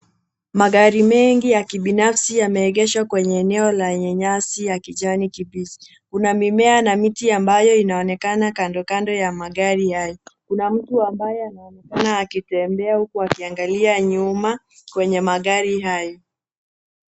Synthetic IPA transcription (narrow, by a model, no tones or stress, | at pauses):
maɠaɾimɛŋɡijakiɓinafsijamɛːɠɛʃwakwɛɲɛːnɛɔlaɲɛɲasijakiʄanikibisi̥ | kunamimɛanamitiambajɔinaɔnɛkanakandɔkandɔjamaɠaɾihajɔkunam̩tuambajɔanaɔnɛkanaːkitɛmbɛahukuakiaŋɡaliaɲuma | kwɛɲɛmaɠaɾiɦajɔ